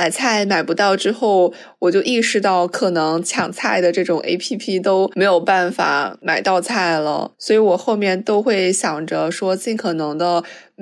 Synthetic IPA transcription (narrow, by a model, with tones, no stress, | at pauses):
ma˨˩ɪt͡sʰa˥˩ɪma˨˩ɪpu˧˥t̪ɑ˥˩ʊʈ͡ʂɻ̩˥xo˥˩ʊ | wɔ˨˩t͡ɕjo˥˧ʊʔi˥˧ʂɻ̩˧˥t̪ɑ˥˩ʊkʰɤ˨˩nɤ˧˥ŋt͡ɕʰjɑ̰˨˥˩ŋt͡sʰa˥˩ɪd̪ə˩ʈ͡ʂɤ˥˩ʈ͡ʂʊ˨˩ŋʔḛ˥ɪpʰi˥pʰi˥t̪o˥ʊme˧˥ɪjo˨˩ʊpa˥˩nfa̰˨˩˦ma˨˩ɪt̪ɑ˥˧ʊt͡sʰa˥˩ɪlə̰˩swɔ˧˥i˧˥wɔ˨˩xo˥˧ʊmjɛ˥˩nt̪o˥ʊxwe˥˩ɪɕjɑ˨˩ŋʈ͡ʂə˧ʂwɔ˥t͡ɕi˥˩nkʰɤ˨˩nɤ˧˥ŋd̪ə˧